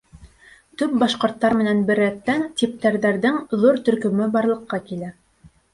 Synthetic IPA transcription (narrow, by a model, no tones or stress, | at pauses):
t̪ɵp̚bɑʃqŏɾt̪ːɑɾmɘ̆nænbɘ̆ɾːæt̪ːænt̪ip̚t̪æɾðæɾðɘŋðuɾt̪ɵ̆ɾkɵ̆mɵbɑɾlˠɤ̆qːɑkilæ